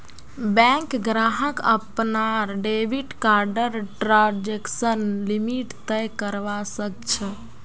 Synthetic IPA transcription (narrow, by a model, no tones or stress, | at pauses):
bɛ̃kɡɾaɦəkə̰pnaɾɖebiʈkaɾɖəɾʈɾãd͡ʒeksənlimiʈt̪əjkəɾʋasək̚t͡ʃʰə